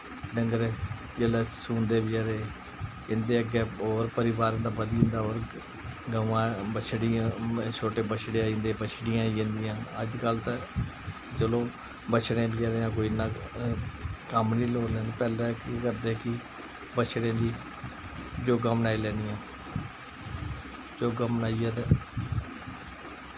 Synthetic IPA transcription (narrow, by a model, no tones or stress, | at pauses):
ɖəŋɡəɾeː | d͡ʒəlɛːsũːnd̪eːbiaɾeː | ɪnd̪eːəɡeːɔːɾpəɾɪʋaːɾ̃nd̪aːbəd̪iːɪnd̪aːoːɾ | ɡəʋãːbət͡ʃʰɽɪjãːt͡ʃʰoːʈeːbət͡ʃʰɽeaːĩnd̪eːbət͡ʃʰɽɪjãːiẽnd̪ɪjãːəd͡ʒkəlt̪e | d͡ʒəlõː | bət͡ʃʰɽẽːbiaːɾẽãːkoːinãː | kəmniːloːlɛ̃ːd̪aːpɛːlɛːkikəɾd̪eːkɪ | bət͡ʃʰɽẽːd̪iː | d͡ʒoːɡaːmnaːilɛ̃ːnd̪ɪjãː | d͡ʒoːɡaːmənaːiːɛːt̪e